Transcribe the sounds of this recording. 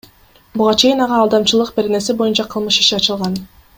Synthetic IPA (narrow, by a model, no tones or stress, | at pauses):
buʁɑt͡ʃe̞jinɑʁɑːlˠd̪ɑmt͡ʃɯlˠɯq̚be̞ɾe̞ne̞sibo̞junt͡ʃɑqʰɯlˠmɯʃi̥ʃiɑt͡ʃɯlˠʁɑn